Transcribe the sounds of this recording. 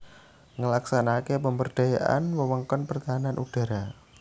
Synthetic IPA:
ŋəlaksanakepəmbərd̥ajaʔa̰nwəwəŋkɔnpərt̪aɦananʔud̥a̤ɾa

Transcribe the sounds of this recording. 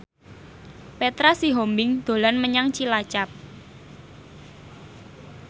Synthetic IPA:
pet̪ɾasiɦombɪŋd̪̥o̤lanməɲaŋt͡ʃilat͡ʃap̚

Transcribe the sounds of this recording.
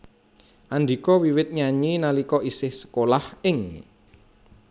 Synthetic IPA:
ʔand̪i̤kɔwiwɪt̪̚ɲaɲinalikɔʔisɪhsə̥kolahɪŋ

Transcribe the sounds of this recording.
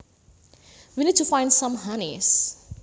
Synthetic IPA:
winid̚tufãj̃ndsãmɦanis

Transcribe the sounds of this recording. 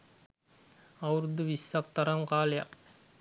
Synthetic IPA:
awɾud̪uʋisːak̚t̪aɾaŋkaːleja̰k

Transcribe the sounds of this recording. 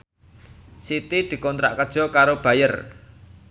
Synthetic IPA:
sit̪id̪̥i̤kɔnt̪ɾa̰ʔkəd̥ʒ̥ɔ̤kaɾob̥ä̤jər

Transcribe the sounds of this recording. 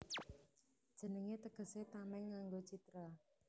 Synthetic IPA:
d̥ʒ̥ə̤nəŋet̪əɡ̥ə̤set̪amɛŋːaŋɡot͡ʃit̪ɾa

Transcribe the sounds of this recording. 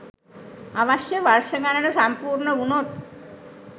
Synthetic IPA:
aʋaʃjəʋarʂəɡanənəsampuːɾɳəunot̪̚

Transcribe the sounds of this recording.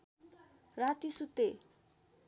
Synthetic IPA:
rat̪isut̪ːe

